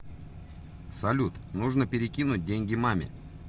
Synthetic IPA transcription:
sɐlʲut̪nuʐnəpʲɪɾʲɪkʲinʊt̚ʲdʲeŋʲɡʲɪmamʲɪ̰

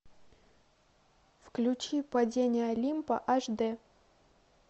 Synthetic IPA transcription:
fklʲʊt͡ɕipɐdʲenʲɪjəɐlʲimpə̰ʔaʐd̪ɛ

